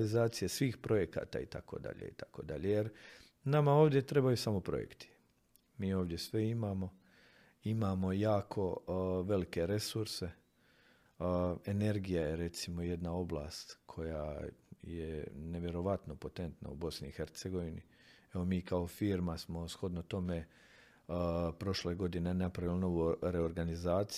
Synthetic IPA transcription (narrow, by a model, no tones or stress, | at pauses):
lizaːt̪sijesʋiːxpɾo̞je̞ka̰ːt̪a̰ːit̪ako̞̰d̪a̰ʎḛḭt̪ʰḁko̞d̪aʎejeɾ | namao̞ːʋd̪je̞t̪ɾe̞bajusamo̞pɾo̞̰jḛkt̪i̥ | miːoːʋd̪je̞sʋeimaːmo̞ | imaːmo̞jaːkʰo̞ʋe̞like̞ɾe̞suɾse̞ | e̞ne̞ɾɡijajeɾe̞t̪simo̞je̞d̪nao̞blˠa̰ːst̪kʰo̞ja̰jḛne̞ʋje̞ɾo̞ʋat̪no̞po̞t̪e̞nt̪na̰ubo̞sniːxeɾt̪seɡo̞ʋinḭ | eo̞miːkao̞fiːɾmasmo̞sxo̞d̪not̪o̞me | pɾo̞ʃle̞ːɡo̞d̪inenapɾaʋilano̞ʋuɾe̞oɾɡanizaːt̪s